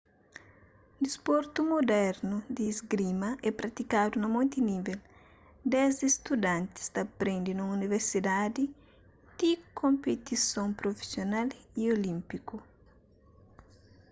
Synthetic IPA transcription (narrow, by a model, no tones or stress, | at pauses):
d̪ispoɾt̪umod̪ɛɾnud̪izɡɾimɐʔɛpɾɐt̪ikad̪unɐmõnt̪inivel | d̪ɛzist̪ud̪ãnt̪i̥st̪ɐpɾẽnd̪inũuniveɾsid̪ad̪i | d̪ikʰõmpet̪isõŋpɾofi̥sjonaliolĩmpiku